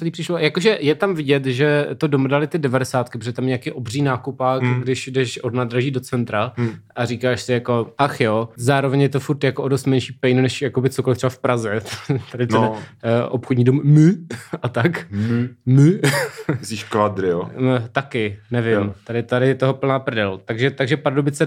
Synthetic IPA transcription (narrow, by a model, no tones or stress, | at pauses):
sɛliːpr̥ɪʃlojakoʒɛjɛt̪amvɪɟɛt̪ʒɛt̪odomdalɪt̪ɪdɛvadɛsaːt̪̚kɪpɾoɛt̪amjɲɛakiːʔo̞briːnaːkupaːkɡdɪʃdɛʃʔodnaːd̪ɾaʒiːdo̞t͡sɛnt̪ɾaʔaɾikaːʃsɪjako̞ʔaxjoːzaːɾovɛɲjɛt̪o̞fuɾt̪jakoʔodost̪mɛnʃiːpɛjnunɛʃjakobɪtt͡sokolɪft̪sɛbafpɾazɛt̪adɪt̪ɛnʔopxodɲiːdummɨʔat̪ak | mə | siʃkvad̪ɾɪot̪akɪnɛvɪmt̪adɪt̪adɪjɛt̪oɦopl̩naːpr̩dɛlt̪aɡʒɛt̪aɡʒɛpɾadobɪt͡sɛ